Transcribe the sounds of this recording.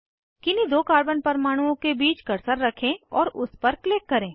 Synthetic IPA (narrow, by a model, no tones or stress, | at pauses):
kɪnid̪oːkaːɾbənpɐɾmaːɽ̃uõkebiːt͡ʃkɐɾsəɾːɐkʰẽɔ̰ːɾʊspɐɾkleːkːɐɾẽː